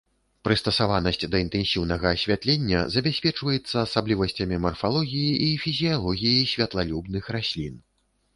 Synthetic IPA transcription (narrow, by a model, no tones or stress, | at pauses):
pɾɨst̪ɐsavanɐsʲt͡sʲd̪ɐint̪ɛnsʲiwnɐɣɐːsʲvʲat̪lʲenʲːɐ̰zɐbʲasʲpʲɛt͡ʂvɐjɛt̪sːɐːsablʲivɐsʲt͡sʲɐmʲimɐrfalˠɔɣʲijiʔifʲizʲijalˠɔɣʲijisʲvʲɐt̪lˠalʲubnɨxɾasʲlʲin